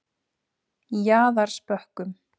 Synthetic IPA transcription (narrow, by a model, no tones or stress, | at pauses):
jaːðaɾ̥spœhkʏm